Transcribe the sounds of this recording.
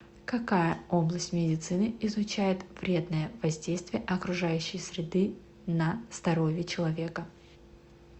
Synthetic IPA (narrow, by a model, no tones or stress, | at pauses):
kɐkajəo̞blˠəsʲtʲmʲɪdʲɪt̪sɨnɨɪzʊt͡ɕæjɪt̪v̥ɾʲe̞d̪nəjəvɐzʲdʲejst̪vʲɪjəʔɐkɾʊʐajʉɕːɪjsʲɾʲɪd̪ɨ | nəst̪ɐɾo̞vʲɪt͡ɕɪlˠɐvʲe̞kə